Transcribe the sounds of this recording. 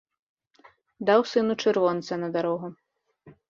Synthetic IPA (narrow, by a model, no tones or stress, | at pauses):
d̪awsɨnut͡ʂɨɾvɔnt̪sɐnɐd̪aɾɔɣu